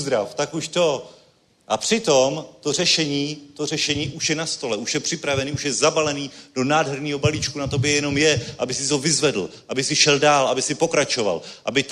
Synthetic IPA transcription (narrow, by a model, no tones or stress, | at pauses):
zd̪ɾaft̪akuʃt̪o̞ | ʔapr̝̥ɪt̪o̞mt̪o̞r̝ɛʃɛɲiːt̪o̞rɛʃɛɲiːʔuʃjɛnast̪o̞lɛʔuʃjɛpr̥ɪpɾavɛniːuʃjɛzabalɛniːdo̞naːdɦɛɾɲiːɦo̞balit͡ʃkunat̪o̞bjɛjɛno̞mjɛʔabɪsɪt̪ovɪzvɛdl̩ʔabɪsɪʃɛldaːlʔabɪsɪpo̞kɾat͡ʃo̞va̰lʔabɪt̪